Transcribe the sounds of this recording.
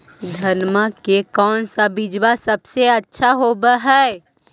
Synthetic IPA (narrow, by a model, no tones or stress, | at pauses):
d̪ʱənməkekɔːnsabid͡ʒwasəbseɐtːʃʰaɦoːbaɦɛː